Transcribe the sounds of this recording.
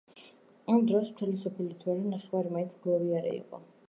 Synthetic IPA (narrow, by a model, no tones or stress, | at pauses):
amd̪ɾɔsmt̪ʰɛlisɔpʰɛlit̪ʰwɛɾinaχɛwaɾimainsʰɡlˠɔviaɾɛ̰ḭqʼɔ̰